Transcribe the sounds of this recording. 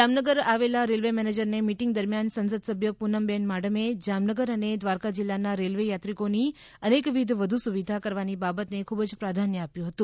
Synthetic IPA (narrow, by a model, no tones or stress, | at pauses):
d͡ʒamnəɡəɾaʋelaɾelʋemɛned͡ʒəɾnemiʈiŋɡd̪əɾmjansə̃nsəd̪səbʱjəpunəmbɛnmaɽəmed͡ʒamnəɡəɾəned̪ʋaɾkad͡ʒilːanaɾelʋejat̪ɾikoni | ənekʋid̪ʱʋəd̪ʱusuʋid̪ʱakəɾʋanibabət̪nekʰubd͡ʒpɾad̪ʱanjəapjũɦət̪ũ